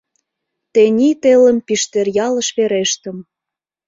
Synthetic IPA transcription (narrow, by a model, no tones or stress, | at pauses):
t̪enʲit̪elə̆mpiʃt̪erjɑlə̆ʃβeɾeʃt̪ə̆m